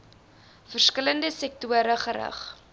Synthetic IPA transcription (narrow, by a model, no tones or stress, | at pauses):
fərskələndəsɛk̚tuəɾəχəɾə̰χ